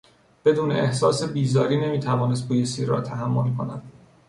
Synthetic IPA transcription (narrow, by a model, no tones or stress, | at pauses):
b̥e̞d̪uːneehsɒːse̞biːzɒːɾiːne̞miːt̪ʰævɒːnes̬t̪̚bʰuːjesiːɾːɒ̰ːt̪ʰæɦæmːo̞lkʰo̞næd̪̥̚